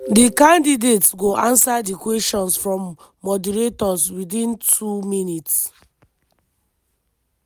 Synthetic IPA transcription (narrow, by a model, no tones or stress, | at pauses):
dikãndidetsɡoʔãnsadikwɛstɔ̃nsfɹɔ̃mː | ɔdɛɾetɔswidĩntʰuminits